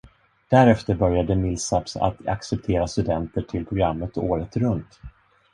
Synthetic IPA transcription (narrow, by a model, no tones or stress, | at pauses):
d̪̥æɾɛft̪əɾbœɾjad̪əmɪlsapsa̰t̪a̰ksɛp̚t̪ʰeːɾast̪ɵd̪ɛnt̪əʈʰɪlpʰɾʊɡɾamːət̪oːɾət̪ɾɵnt̪